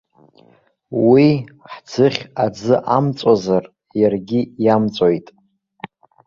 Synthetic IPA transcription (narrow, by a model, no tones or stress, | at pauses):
wiħd͡zʰɨχʲad͡zɨʔamt͡sʷʼazar | jarɡʲijamt͡sʷʼojtʼ